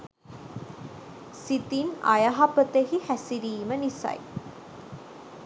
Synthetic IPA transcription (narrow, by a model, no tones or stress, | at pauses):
sit̪inɐ̰jɐɦɐpət̪ehihæsiɾiːmənisɐ̰j